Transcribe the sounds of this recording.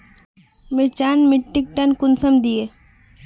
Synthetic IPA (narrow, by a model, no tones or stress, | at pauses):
mɪɾt͡ʃaːnmɪʈːɪk̚ʈɐnkʊnsɐmd̪ie